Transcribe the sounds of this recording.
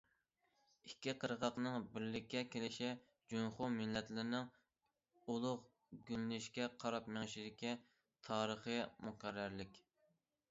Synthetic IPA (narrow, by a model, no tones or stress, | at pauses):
ikʲʰːiqʰəɾʁɑqnɨŋbɪɾlɪkʲʰːɛkʲʰelɪʃɛ | d͡ʒuŋχumɪlːɛt̪lɪɾnɪŋ | ulˠʊq | ɡʲynːɪʃkʲɛqʰɑɾɑp̚meŋʃid̪ɪkʲʰi | t̪ʰɑːɾəχəjmuqæɾːæɾlɪkʲ